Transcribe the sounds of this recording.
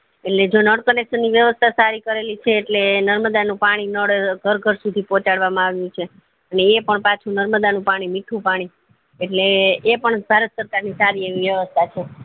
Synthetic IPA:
eʈled͡ʒonəɽkənekʃənːiʋjəʋəst̪ʰasaɾikəɾelit͡ʃʰeːʈlenəɾməd̪anũpaɽ̃inəɽɡʱəɾɡʱəɾsud̪ʱipɔt͡ʃaɽʋamãaʋjũt͡ʃʰe | əneːpəɳpat͡ʃʰunəɾməd̪anũpaɽ̃imiʈʰũpaɽ̃i | eʈleːpəɳbʱaɾət̪səɾkaɾnisaɾieʋiʋjəʋəst̪ʰat͡ʃʰe

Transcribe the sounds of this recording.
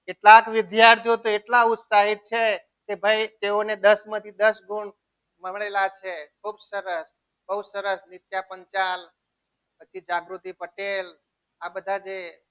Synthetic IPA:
keʈlakʋɪd̪jaɾt̪ʰjot̪oeʈlaʊt̪saɦit̪̚t͡ʃʰe | kebʱait̪eoned̪əsmə̃t̪ʰid̪əsɡuɳ | məmɭelat͡ʃʰekʰubsəɾəs | bəwsəɾəsnɪt̪japəɲt͡ʃal | pət͡ʃʰid͡ʒaɡɾut̪ipəʈel | abəd̪ʱad͡ʒe

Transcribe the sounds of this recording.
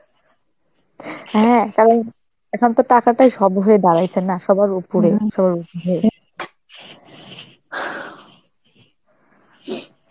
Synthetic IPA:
ɦɛ̃t̪ɔbe | ɛkʰɔnt̪oʈakaʈajʃɔbɦoed̪aɾajt͡ɕʰenːaʃɔbaɾupuɾeʃɔbaɾupuɦe

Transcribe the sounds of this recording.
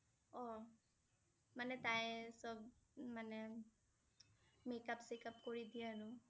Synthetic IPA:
ɔ | manɛt̪aesɔbmane | mekapsekapkɔɾid̪iaɾu

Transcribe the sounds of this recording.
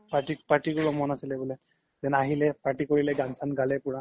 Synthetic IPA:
paʈipaɹʈikʊbɔmɔnasilɛbɔlɛ | zɛnaɦilɛpaɹʈikoɹilɛɡansanɡalɛpʊɹa

